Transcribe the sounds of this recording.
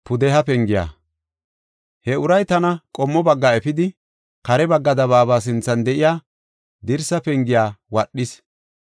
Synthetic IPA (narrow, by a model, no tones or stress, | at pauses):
pʊd̪ɛɦɐpɛŋɡɪja̰ː | hɛʊɾɐjt̪ɐnɐkʼɔmːɔbɐɡːaɛfɪd̪ɪ | kɐɾɛbɐɡːɐd̪ɐβaːbaːs̬ɪnt͡sːɐnd̪ɛʔɪjaː | d̪ɪɾsɐpɛŋɡɪjaːwɐɗːɪs